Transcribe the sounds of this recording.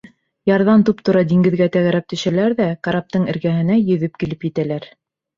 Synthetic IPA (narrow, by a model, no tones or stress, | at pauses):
jɑɾðɑnt̪upt̪ŏɾɑd̪iŋɡɘ̆ðɡæt̪æɣæɾæp̚t̪ɵ̆ʃælæɾðækaɾap̚t̪ɤɴɘ̆ɾɡæɦɘ̆næjɵ̆ðɵpkilɘpjɘ̆t̪ælæɾ